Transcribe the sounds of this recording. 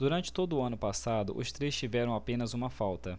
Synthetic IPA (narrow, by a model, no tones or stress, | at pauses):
d̪uɾɐ̃nt͡ʃɪ̥t̪od̪ʊːɐ̃nʊpasad̪ʊ̰ʔʊst̪ɾejst͡ʃivɛɾɐ̃w̃apẽnɐzũmɐfawt̪ɐ